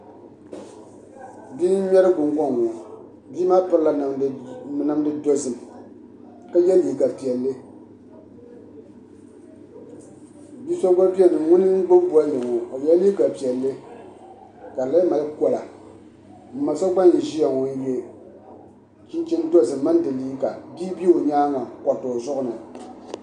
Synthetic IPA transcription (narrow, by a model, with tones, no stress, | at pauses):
biː˦ɲɛ˦ɾɨ˦ɡ͡bʊ˨ŋɡɔ˦˨ŋo˨ | biː˦maː˦pɨ˦ɾɨ˦la˨n˨nɨ˨mdɨ˦do˦zɨ˨m˨ | ka˦jɛ˦liː˦˨ɡa˨pi˨ɛ˨lːɨ˦ | biː˦sa˦ɡ͡ba˦pi˦ɛ˦nɨ˨mŋʊ˦nɨ˦ŋ̩˦ɡ͡bʊ˦mbu˦a˦jɨ˨ŋo˨ka˨˦jɛ˦li˦ɡa˨pi˨ɛ˨lːɨ˦ | ka˨la˦ma˨lkɔ˨la˨ | mɨ˨ma˨sa˦ɡ͡ba˦njɛ˨ʒi˦ja˨ŋo˨˦be˦ | t͡ʃɪ˦nt͡ʃɪ˦ndo˦zɨ˨mː˦ɨ˦ndɨ˨liː˦ka˨bi˦bi˦o˨ɲaː˦ŋa˨kɔ˨to˨zʊ˦ʔʊ˦nɨ˨